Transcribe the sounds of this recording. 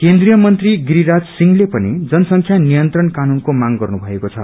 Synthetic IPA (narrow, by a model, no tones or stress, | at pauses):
kend̪rijʌmʌnt̪riɡɾiɾad͡zsiŋlepʌnid͡zʌnʌsʌŋkʰjanijʌnt̪rʌnkanunkomaŋɡʌrnubʱʌekot͡sʰʌ̰